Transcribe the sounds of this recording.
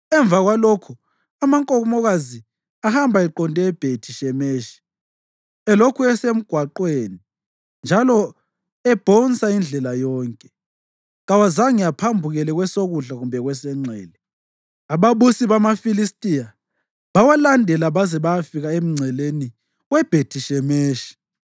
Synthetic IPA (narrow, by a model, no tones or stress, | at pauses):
ɛɱvaɣwalokʰu | amaŋkʼɔmɔɣazi | ahambʱaɛǃɔntʼɛːb̥ʱetʰiʃɛmeːʃi̥ | ɛlokʰuɛsem̩ɡ̥ʱwaǃweni | nd͡ʒʱalɔ | ɛb̥ʱɔnsʼaind͡ɮʱɛlajɔːŋkʼɛ | ɣawazaŋijapʰambʱuɣɛlɛɣwɛsoɣuɮaɣumbʱɛɣwɛsɛŋ͡ǀʱɛːlɛ | aβaβusiβamafilistʼija | βawalandʱɛlaβazɛβajafiɣaem̩ŋ͡ǀʱɛleni | ɣwɛb̥ʱetʰiʃɛmeːʃi̥